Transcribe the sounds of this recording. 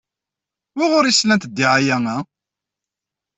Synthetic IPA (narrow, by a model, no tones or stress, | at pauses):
wɪʁʊɾislænt̪əd̪ːiʕajæŋæ